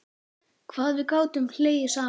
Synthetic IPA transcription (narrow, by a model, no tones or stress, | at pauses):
kʰvaːðvɪðkaːwt̪ʏmhl̥eːjɪsaː